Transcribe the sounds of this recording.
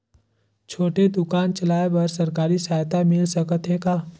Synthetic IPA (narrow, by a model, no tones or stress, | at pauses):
t͡ʃʰoːʈed̪ʊkaːnt͡ʃɐlaːebəɾsɐɾkaːɾisaːjt̪amɪlsəkət̪ɦekaː